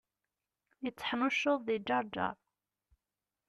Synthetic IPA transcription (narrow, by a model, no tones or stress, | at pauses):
jət͡sːə̥ħnuʃoðˤːid͡ʒːɑɾˤd͡ʒɑ̰ɾˤ